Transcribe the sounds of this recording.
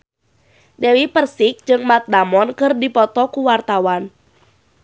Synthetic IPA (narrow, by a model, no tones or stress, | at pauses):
dewipərsik̚d͡ʒɨŋmat̪̚damɔnkɨrdipɔt̪ɔkuwart̪awan